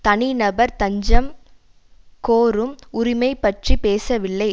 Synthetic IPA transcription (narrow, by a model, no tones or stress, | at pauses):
t̪ɐnɪnɐbɐɾt̪ɐɲd͡ʒɐm | koːɾɯmʊɾɪmɐɪpːɐʈripeːsɐʋɪlːɐɪ